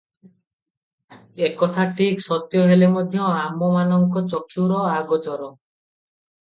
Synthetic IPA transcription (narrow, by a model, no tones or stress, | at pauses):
ekɔt̪ʰaʈʰiksɔt̪jɔɦelemɔd̪ʱjɔamɔmanɔŋkɔt͡ʃɔkʰːiwɾɔaɡɔt͡ʃɔɾɔ